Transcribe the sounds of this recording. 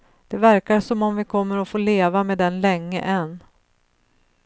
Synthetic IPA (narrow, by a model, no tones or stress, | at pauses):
d̪̥ɛvæɾkaʂɔmɔmvɪkʰɔmːəɾɔfoːleːvameːd̪ɛnlɛŋːə̰ʔɛnː